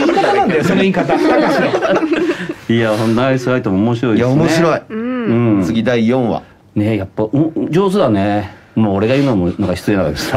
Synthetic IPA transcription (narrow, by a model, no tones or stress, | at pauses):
iːkat̪anãnd̪ajosonoiːkat̪aakaɕio | iahõnd̪aisɨɾait̪omoːmo̞ɕiɾo̞ijaomoeɕiɾo̞iɯ̃t͡st͡sɨɡʲid̪aijõɰ̃βa̰ | ne̞japːaõd͡ʑo̞ːsɨd̪ane | mooɾe̞ɡaiɯ̟ːnomonãŋkaçi̥t͡sɨenaka̰ɡ̪esa